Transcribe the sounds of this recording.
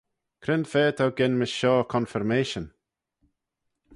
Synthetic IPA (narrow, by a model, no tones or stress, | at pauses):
kʰɾɪndfɛːt̪ʰawɡɪnmɪsʃɔːkʰɔ̃nfɪɹmeːʃə̃n